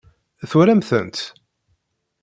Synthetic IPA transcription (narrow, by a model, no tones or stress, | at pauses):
θuɾæmθə̰nt̪